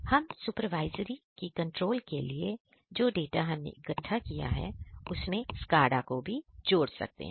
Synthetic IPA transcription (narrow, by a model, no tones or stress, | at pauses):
hɐmsupəɾʋaːɪzɾikikɐ̃ɳʈɾoːlkelie | d͡ʒoːɖeːʈaɦɐmnḛɪɡətʰːakija̰ɦɛ̰ʊsmẽskaːɾɖakobʱid͡ʒoːɽsɐ̰k̚t̪ḛɦɛ̃ː